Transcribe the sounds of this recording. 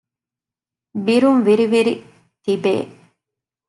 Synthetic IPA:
biɾumʋiɾiʋiɾi | t̪ibḛː

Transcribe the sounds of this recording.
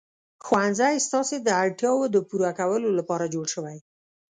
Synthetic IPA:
xwanzajst̪ɑsed̪əaɽʈjɑwod̪əpuɾakawəlolapɑɾad͡ʒoɽʃəwaj

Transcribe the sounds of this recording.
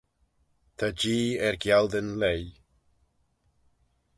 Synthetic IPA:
t̪ʰad͡ʒiːɛɾɡjalˠdənlej

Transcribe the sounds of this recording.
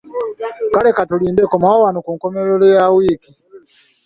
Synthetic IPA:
kalɛkatulindɛkɔmawawanukuŋkɔmɛlɔlɛjawiki

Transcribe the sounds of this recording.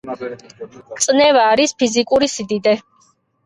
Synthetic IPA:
t̪sʼnɛvaːɾispʰizikʼuɾisid̪id̪ɛ

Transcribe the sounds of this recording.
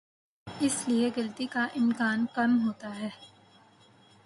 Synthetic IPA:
ɪslieɡɐlt̪ikaʔɪmkaːnkɐmɦoːt̪aɦɛː

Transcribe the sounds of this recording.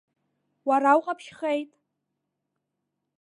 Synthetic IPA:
waɾawqʼapʰʃχe̞jtʼ

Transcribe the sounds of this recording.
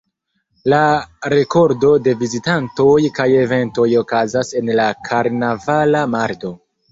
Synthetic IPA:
laɾe̞ko̞ɾdo̞de̞vizitanto̞jkaje̞ve̞nto̞jo̞kazase̞nlakʰaɾnavalamaɾto̞

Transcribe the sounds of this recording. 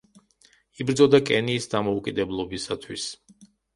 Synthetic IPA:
ibɾd̪zɔd̪akʼɛniːsd̪amɔukʼid̪ɛblˠɔbisat̪ʰwis

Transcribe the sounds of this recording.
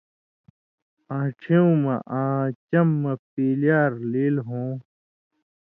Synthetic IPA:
ãːʈ͡ʂʰeũmɐʔãːt͡ɕɐmːɐpiːljaːɾleːlɦõː

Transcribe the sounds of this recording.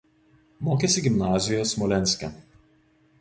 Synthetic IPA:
moːkʲesʲɪɡʲɪmnɑːzʲɪjoːsmɔlʲɛnʲsʲkʲɛ̰

